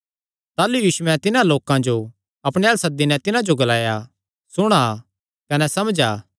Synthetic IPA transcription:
t̪aːlujiːʃʊɛ̃t̪ɪnãloːkãd͡ʒo | ɐpɽ̃eɐsɐd̪ːinɛ̃t̪ɪnãd͡ʒoɡɐlaːja | sʊɽ̃a | kɐnɛsɐmd͡ʒaː

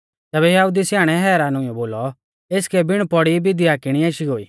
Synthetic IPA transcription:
t̪ɛːbɛjaɦud̪isjaːɽ̃ɛɦɛːɾaːnʊ̃jɔboːlɔ | eːskɛbɪɽ̃pɔɽibɪd̪iaːkɪɽ̃ieːʃiɦoːḭː

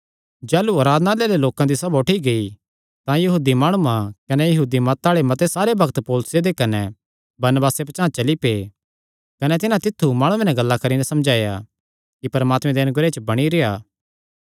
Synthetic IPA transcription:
d͡ʒɛːluɐɾaːd̪naleːleloːkãd̪isɐboʈʰiɡɐi | t̪ãjɐɦuːd̪imaːɽ̃uãkɐnɛjɐɦuːd̪imɐt̪aːɭemɐt̪esaːɾebʱɐkt̪poːlʊsjed̪ekɐnɛ | bɐɾnəbaːsepɐt͡ʃãːt͡ʃɐlipeː | kɐnɛt̪ɪnãt̪ɪt̪ʰːumaːɽ̃ũẽnɛ̃ɡɐlːakɐɾinɛsɐmd͡ʒaːja̰ | kipɐɾmaːt̪mɛ̃d̪eɐnʊɡɾet͡ʃəbɐɽ̃iɾejaː

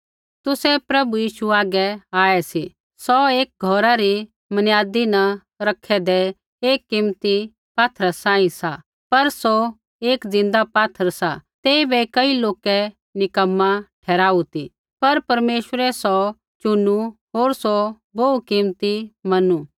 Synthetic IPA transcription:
t̪ʊsɛpɾɐbujiːʃuaːɡɛaːɛsi | sɔeːk̚ɡʱɔːɾaɾi | mɐnjaːd̪inɐ | ɾɐkʰɛd̪ɛ | eːkːɪmt̪i | paːt̪ʰɾasãːĩsa | pɐɾso | eːkd͡zɪ̃nd̪apaːt̪ʰəɾsat̪eːibɛkɐiloːkɛ | nɪkəmːãʈʰɛːɾaːut̪i | pɐɾpɐɾmeːʃəɾɛsɔ | t͡ʃʊnu | ɦoːɾso | boukɪmt̪imɐnu

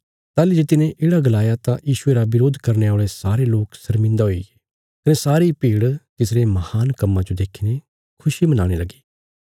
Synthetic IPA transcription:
t̪aːlid͡ʒet̪ɪnẽʔeːɽaɡɐlaːjat̪ãjiːʃʊeɾaʋɪɾoːd̪ʱkɐɾneoːɭesaːɾeloːksɐɾmɪ̃nd̪aɦoieː | kɐnẽsaːɾipiːɽk̪ɪsɾemɐhaːnkɐmːãd͡ʒod̪eːkʰine | kʰʊʃimɐna̰ːɽ̃elɐɡi̥ː

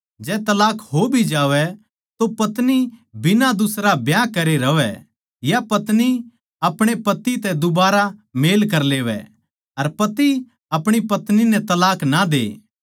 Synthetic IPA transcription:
d͡ʒɛːt̪ɐlaːkɦobʱid͡ʒaːʋɛ | t̪opɐt̪nibɪnad̪ʊsɾabjakɐɾeɾɐʋɛ̰ | japɐt̪ni | ɐpɽ̃epɐt̪it̪ɛd̪ʊbaːɾameːlk̬ɐɾleːʋɛ̰ | ɐɾpɐt̪i | ɐpɽ̃ipɐt̪ninɛt̪ɐlaːknad̪ḛː

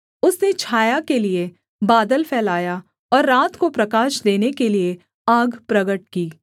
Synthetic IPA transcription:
ʊsnet͡ʃʰaːjakelie | baːd̪əlfʰɛːlaːja | ɔːɾːaːt̪kopɾɐkaːʃd̪eːnekelie | aːɡpɾɐɡəʈ̚kiː

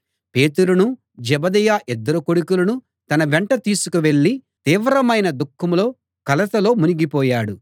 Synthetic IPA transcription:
pe̞ːt̪uɾunu | d͡ʒɛbɐd̪ɛjaːʔɛd̪ːɐɾukoɽukulɐnu | t̪ɐnɐʋɛɳʈɐt̪iːsukuʋe̞ɭːit̪iːʋɾɐmɐjnɐd̪ukʰːɐmlo̞ː | kɐlɐt̪ɐlo̞ːmuniɡipɔːjaːɽu

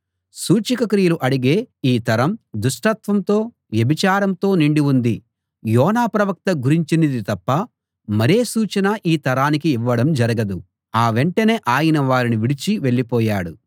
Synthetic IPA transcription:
suːt͡ʃikɐkɾijɐluʔɐɽiɡe̞ːiːt̪ɐɾɐmd̪uʂʈɐt̪ʋɐmt̪o̞ː | ʋjɐbʱit͡ʃaːɾɐmt̪o̞ːniɳɖiund̪i | jɔːnaːpɾɐʋɐk̚t̪ɐɡuɾiɲt͡ʃinid̪it̪ɐpːɐ | mɐɾe̞ːsuːt͡ʃɐnɐʔiːt̪ɐɾaːnikiːʋːɐɽɐmd͡ʒɐɾɐɡɐd̪u | aːʋeɳʈɐne̞ːʔaːjinɐʋaːɾiniʋiɽit͡ʃiʋe̞ɭːipɔːjaːɽu

